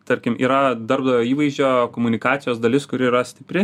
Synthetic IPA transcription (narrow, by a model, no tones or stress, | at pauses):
t̪ɐɾʲkʲɪmʔḭːɾɐd̪ɐɾb̚d̪ɐjoːiːʋɐɪzʲd͡ʒʲoːkoːmʊnʲɪkɑːt̪sʲɪjoːsd̪ɐlʲɪskʊɾʲɪiːɾɐsʲt̪ʲɪpʲɾʲɪ